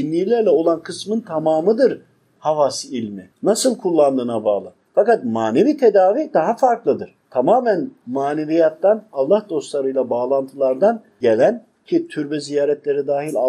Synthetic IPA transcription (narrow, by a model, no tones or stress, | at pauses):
inːʲijlʲæɾlʲɛo̞lˠankʰɯsmɯnt̪ʰamaːmɯd̪ɯɾ | havasilʲmɪnasɯlˠkʰulˠːand̪ɯːnabaːlˠɯ | fakat̪̚maːneviːt̪ʰed̪aːviːd̪aɦafaɾklˠɯd̪ɯɾ̥t̪ʰamaːmænmaːnevijat̪ːanalˠːahd̪o̞st̪lˠaɾɯjlˠabaːlˠant̪ʰɯlˠaɾd̪an | ɟelʲæn | cʰit̪ʰyɾbɛzijaːɾɛt̪lʲe̞ɾid̪aːɦilʲa